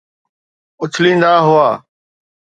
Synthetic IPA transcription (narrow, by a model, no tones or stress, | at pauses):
ʊt͡ʃʰlĩːnd̪aːɦʊaː